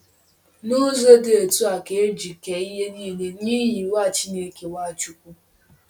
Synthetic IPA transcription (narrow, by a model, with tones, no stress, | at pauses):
no˦zo˦de˨e˨tu˦a˨ke˨˦d͡ʒi˨ke˨i˦ɦe˦niː˦ne˦niː˦ɦi˨wa˦˨t͡ʃi˦ne˦ke˨wa˦˨t͡ʃu˦kʷu˦